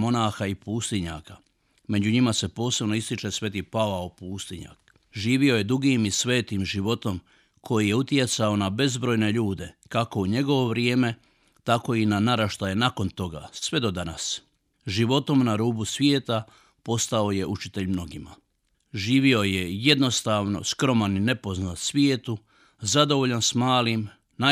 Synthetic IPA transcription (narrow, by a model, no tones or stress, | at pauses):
mo̞naːxaipuːst̪iɲa̰ːka | me̞d͡ʑuɲimase̞po̞ːse̞bno̞ist̪it͡ʃe̞sʋe̞t̪ipaʋaopuːst̪iɲa̰k | ʒiːʋio̞je̞d̪uɡimisʋe̞ːt̪imʒiʋo̞t̪o̞m | kʰo̞jije̞ut̪je̞t̪sao̞nabe̞zbɾo̞jne̞ʎuːd̪e̞kako̞uɲe̞ɡo̞ʋo̞ʋɾjeːme̞ | t̪ako̞inanaɾaʃt̪aje̞nako̞nt̪o̞ɡa̰sʋe̞d̪o̞d̪anas | ʒiʋo̞t̪o̞mnaɾuːbusʋjeːt̪a | po̞st̪ao̞je̞ʔut͡ʃit̪e̞ʎmno̞ɡima | ʒiːʋio̞jeje̞d̪no̞st̪aːʋno̞̰skɾo̞manine̞po̞znat̪sʋjeːt̪u | zad̪o̞ʋoʎansmaːlim | na